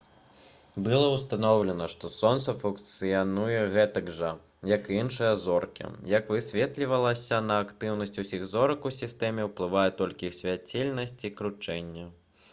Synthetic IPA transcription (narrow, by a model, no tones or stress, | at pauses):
bɨlˠɐwst̪anɔwlʲɛnɐʂt̪ɔsɔnt̪sɐfuŋkt̪sɨjanujɛɣɛt̪ɐɡʐɐ | jɐkinʂɨjɐzɔrkʲḭjɐkvɨsʲvʲɛt̪lʲivɐlˠɐsʲɐnɐːkt̪ɨwnɐsʲt͡sʲusʲiɣzɔɾɐkusʲist̪ɛmʲɛwplˠɨvajɛt̪ɔlʲkʲiwsʲvʲat͡sʲilʲnɐsʲt͡sʲikɾut͡ʂɛnʲːɛ